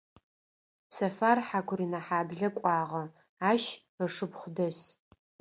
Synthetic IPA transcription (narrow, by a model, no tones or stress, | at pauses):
sɐfaːrħakʷʰʊrinɐħaːbɮɐkʷʼɑːʁɐ | aːʃ | əʂɨpχʷʊdɐs